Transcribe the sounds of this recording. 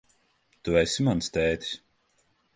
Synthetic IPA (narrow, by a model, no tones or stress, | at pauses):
t̪uɛsimanst̪ɛːt̪ʲi̥sʲ